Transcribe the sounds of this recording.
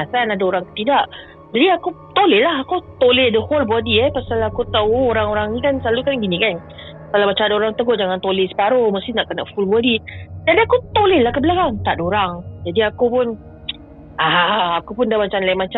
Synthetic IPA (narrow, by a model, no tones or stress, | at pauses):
asanadaoɾaŋkt̪idaʔ | d͡ʒadiaku | t̪olelaɦakot̪oledəholbuadiɛpasalakut̪auoɾaŋoɾaŋnikansalukanɡinĩkan | salamat͡ʃadoɾaŋt̪əɡoʔd͡ʒaŋant̪olesə̥paɾoməst̪inaʔkənaʔfulbadidaɾiakut̪olelahkəbəlakaŋt̪aʔdoɾaŋd͡ʒadiakupʊn | aakupʊndamat͡ʃanlajimat͡ʃa